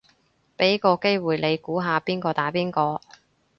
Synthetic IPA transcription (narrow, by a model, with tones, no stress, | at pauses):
pe˨˥jkɔː˧ke˥jwuː˨jle˨˧jkuː˨˥ɦaː˨˧piː˥nkɔː˧t̪aː˨˥piː˥nkɔː˧